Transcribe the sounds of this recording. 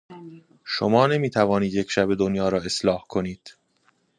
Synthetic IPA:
ʃomɒːne̞miːt̪ʰævɒːniːd̪jecʰʃæbe̞d̪onjɒːɾɒːe̞slɒːhkʰo̞niːd̪̥

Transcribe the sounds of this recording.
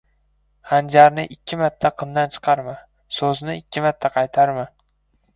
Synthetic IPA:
hand͡ʒaɾnɪʔɪkʲʰːɪmat̪ʰːaqʰɨmd̪ant͡ʃʰɨ̥qʰɑɾmɪ | sɵznɪɪkʲʰːɪmat̪ʰːaqʰɑjt̪ʰaɾmɪ

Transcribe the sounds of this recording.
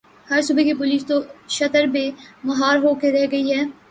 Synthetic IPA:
hɐɾsuːbəkipʊliːst̪oʃɐt̪əɾbeːmɐɦaːɾɦoːkeɾɛɦɡɐiɦɛː

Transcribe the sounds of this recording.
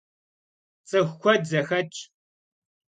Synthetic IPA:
t͡sʼɨxːʷɔdzɐxɐt͡ʃʼ

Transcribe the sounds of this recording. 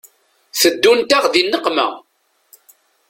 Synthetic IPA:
θəd̪ːunt̪aʁðinːəqmæ̰

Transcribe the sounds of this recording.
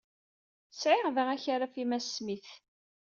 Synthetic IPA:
sʕɪʁðəʁæçaɾafimæsmiθ

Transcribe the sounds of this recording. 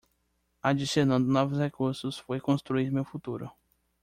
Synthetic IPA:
ad͡ʒisenɐ̃d̪ʊnɔvʊshekuɾsʊsfojkõst̪ɾuiɾmewfut̪uɾʊ̰

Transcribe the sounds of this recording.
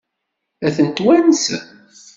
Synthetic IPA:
æθənt̪wæns

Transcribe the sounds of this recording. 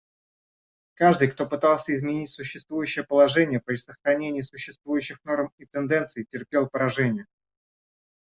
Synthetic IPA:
kaʐd̪ɨjkt̪o̞pɨt̪alˠsʲəɪzmʲɪnʲitʲsʊɕːɪst̪vujʉɕːɪjəpəlˠɐʐɛnʲɪjəpɾʲɪsəxɾɐnʲenʲɪjəsʊɕːɪst̪vujʉɕːɪxno̞rmit̪ɨnd̪ɛnt̪sɨɪtʲɪrpʲe̞lˠpəɾɐʐɛnʲɪjə

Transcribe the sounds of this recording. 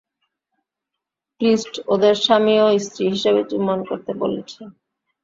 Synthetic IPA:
kɾisʈod̪eɾʃamioist̪ɾiɦiʃebet͡ɕumːonkoɾt̪ebo̰let͡ɕʰe

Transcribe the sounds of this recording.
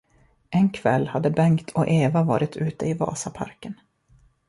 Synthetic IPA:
ɛnkʰv̥ɛ̰lːhad̪ːəbɛŋkt̪ʰɔʔeːvavɑːɾɪt̪ʰʉ̟ːt̪əɪvɑ̰ːsapʰa̰ɾkən

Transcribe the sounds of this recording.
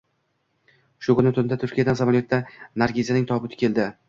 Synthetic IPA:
ʃʊkʰʊnɪt̪ʰʊnd̪at̪ʰʊɾkʲijad̪ansamalijot̪ːanaɾɡʲezʲanɪŋt̪ʰɒbɪt̪ɪ̥kʲʰe̞ld̪ɪ

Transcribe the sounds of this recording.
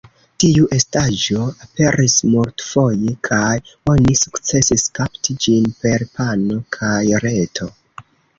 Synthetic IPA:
tiuʔe̞staʒo̞ape̞ɾʔismuɾtfo̞jekʰajo̞nisu̥kt͡se̞siskaptid͡ʒinpe̞ɾpano̞kʰajɾe̞tʰo̞

